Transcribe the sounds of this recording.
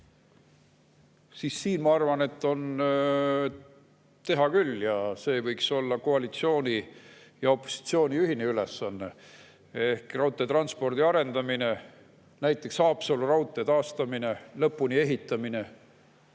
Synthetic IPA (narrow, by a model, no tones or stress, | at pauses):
siːsːiːnmɑɑrvɑne̞t̪ːˑo̞n | t̪e̞ɦɑkyljɑse̞ːvɤjkso̞lːɑkoɑlit̪sio̞ːnʲi | jɑo̞pːo̥si̥t̪sio̞ːniyɦineyle̞sːɑnːe̞̰ | ehkrɑwt̪ːˑet̪rɑnspo̞rd̪̥iɑɾe̞nd̪̥ɑmine̞ | næjt̪ːˑe̞ksɑːpsolurɑwt̪ːˑe̞t̪ɑːst̪ɑmine̞lɤpːˑunie̞ɦit̪ːˑɑmine̞